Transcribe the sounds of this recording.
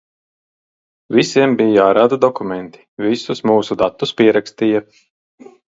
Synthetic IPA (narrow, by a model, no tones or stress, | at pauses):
visiɛmbijjaːɾaːd̪ad̪ɔkumɛnt̪i̥visusmuːsud̪at̪ːuspiɛɾakst̪iːja